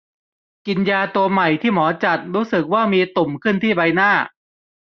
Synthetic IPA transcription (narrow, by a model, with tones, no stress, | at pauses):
ki˧njaː˧t̪u˧ɐma˨˩jt̪ʰiː˥˩mɔː˩˦t͡ɕa˨˩t̪̚ɾuː˦˥sɯ˨˩k̚waː˥˩miː˧t̪o˨˩mkʰɯ˥˩nt̪ʰiː˥˩ba˧jnaː˥˩